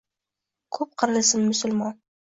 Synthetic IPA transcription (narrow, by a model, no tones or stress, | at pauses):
kʰɵp̚qʰəɾlˠɪsɪmːʊsʊlmɑn